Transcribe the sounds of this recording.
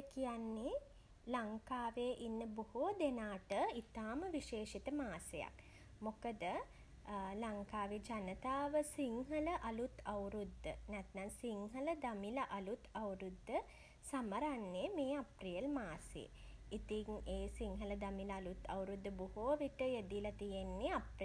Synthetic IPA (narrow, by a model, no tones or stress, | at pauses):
kijanːe | laŋkaːʋeːʔinːəbuhoːd̪enaːʈəit̪aːməʋiʃeːʃit̪əmaːsəja̰k | mokəd̪ə | laŋkaːʋed͡ʒanət̪aːʋəsiŋɦələʔalut̪awɾud̪ːə̰næt̪naŋsiŋɦələd̪amilɐʔɐlut̪ɐwɾud̪ːə | saməɾanːemeːaprijəlmaːsḛit̪iŋeːsiŋɦələd̪amiləalut̪ɐ̰wɾud̪ʱːəbuɦoːʋiʈəjed̪ilɐt̪ijenːeapr